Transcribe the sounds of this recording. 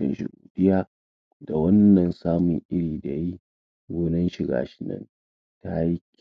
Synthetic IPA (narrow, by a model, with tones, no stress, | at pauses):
ɐ̰˨nʃɪ̰˨ɡuː˨ɸɪ˦jaː˦˨ | da˨wɐ˦nːɐ˨nsaː˦mʊ̰˨ŋʔɪ˦ɽiː˨da˨ji˦ | ɡoː˦nɐ˦nʃɪ˨ɡa̰ː˨ʃɪ̥˦nɐ̰˦n | ta˦ji˦kʲ